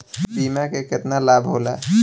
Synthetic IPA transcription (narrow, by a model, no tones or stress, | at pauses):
piːmakekɪt̪nalaːbʱɦoːla